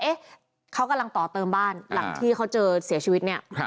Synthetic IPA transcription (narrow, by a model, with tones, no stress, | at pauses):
ʔe˦˥ | kʰa˦˥wka˧mla˧ŋt̪ɔː˨˩t̪ɤː˧mbaː˥˩nla˨˩˦ŋt̪ʰiː˥˩kʰa˦˥wt͡ɕɤː˧si˨˩˦ɐt͡ɕʰiː˧wi˦˥t̪̚ni˥˩ɐ